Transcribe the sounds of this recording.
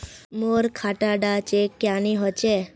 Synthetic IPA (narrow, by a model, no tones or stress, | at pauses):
moɾkʰaʈaɖat͡ʃekjaniɦɔt͡ʃe